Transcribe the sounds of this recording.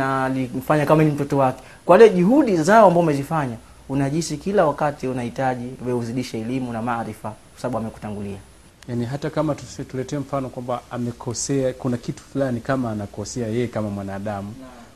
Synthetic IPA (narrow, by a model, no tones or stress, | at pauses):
alim̩faɲakamaɛnim̩tɔtɔwakɛ̥ | kwaliɔʄuɦuɗizaɔambaɔumɛzifaɲa | unaʄisikilawakatiunahitaʄiwɛuziɗiʃaɛlimunamaɾifakwasaɓaɓuamɛku̥taŋɡulia | janiɦatakamatusɛtulɛtɛɛm̩fanɔkwambaamɛkʰɔsɛakunakitu̥fulanikamaːnakɔsɛajɛjɛkamamwanaːɗamu